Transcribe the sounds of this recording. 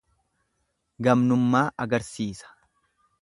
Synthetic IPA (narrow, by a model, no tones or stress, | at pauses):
ɡɐmnʊmːaːʔɐɡɐɾsiːsɐ̥